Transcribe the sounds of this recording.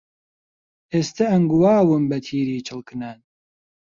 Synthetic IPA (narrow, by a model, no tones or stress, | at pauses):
eːst̪ɐɐŋɡuwaːwɨmbɐt̪ʰiːɾiːt͡ʃʰɨlˠkʰɨnan